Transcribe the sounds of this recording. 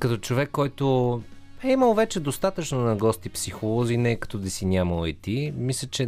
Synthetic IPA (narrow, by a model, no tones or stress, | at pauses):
kɐt̪ɔt͡ʃovɛkːɔjt̪o | ɛiməlˠvɛt͡ʃɛd̪ost̪at̪ət͡ʃnonɐɡɔst̪ipsixolˠɔzinɛkɐ̥t̪ɔd̪isinʲaməlˠɛt̪imislʲət͡ʃɛ